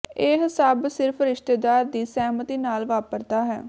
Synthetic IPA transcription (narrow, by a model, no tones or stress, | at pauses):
eːɦɪsaːbsɪɾpʰɾɪʃt̪eːd̪aːɾd̪iːsɛːmət̪iːnaːlʋaːpəɾt̪aːɦɛ̰ː